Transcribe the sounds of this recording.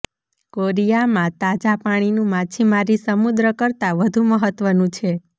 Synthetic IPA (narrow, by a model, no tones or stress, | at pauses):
koɾijamãt̪ad͡ʒapaɽ̃inũmat͡ʃʰimaɾisəmud̪ɾəkəɾt̪aʋəd̪ʱũməɦət̪ʋənũt͡ʃʰe